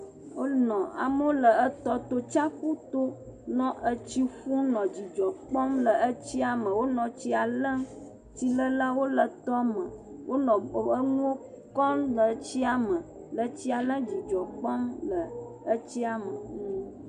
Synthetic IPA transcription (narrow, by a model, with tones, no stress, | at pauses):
wo˦nɔ̃˨a̰˨mə˦wo˦lə˨ə˦t̪ɔ˦t̪o˦t͡ʃa˦ku˦t̪o˦nɔ̃˦ʔə˦t͡ɕi˦xũ˦nɔ̃˨d͡ʑi˨d͡ʒɔ˨k͡pɔ˦mlə˨ə˦t͡ɕi˦a˨mə̃˨wo˦nɔ̃˨t͡ɕi˦a˨lə̃˦ | t̪i˨lə˦la˦wo˦lə˨t̪ɔ˦mə̃˨wʔo˦nɔ̃˨ə˦ŋũ˦wo˦ | kɔ˦lə˨˦t͡ɕi˦a˨mə̃˨ | lə˨t͡ɕi˦a˨lə̃˦d͡ʑi˨d͡ʒɔ˨k͡pɔ˦mlə˨ | ə˦t͡ɕi˦a˨mə˨nũ˦